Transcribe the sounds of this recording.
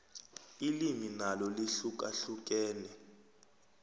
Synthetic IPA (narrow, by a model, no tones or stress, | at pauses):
iliminalɔliɬuk̬ʼa̰ɬuk̬ʼɛːnɛ